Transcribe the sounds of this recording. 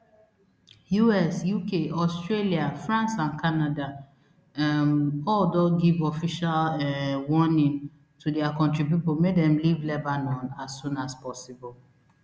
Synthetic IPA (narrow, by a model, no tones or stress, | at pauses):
juɛsjukeʔɔstɹeliafɹãnsãnkʰanada | mɔldoɡivɔfiʃalɛwɔnĩŋ | tudɛakɔ̃ntɹipipomedɛ̃mlivlebanɔ̃nasːũnaspɔsibɔlˠ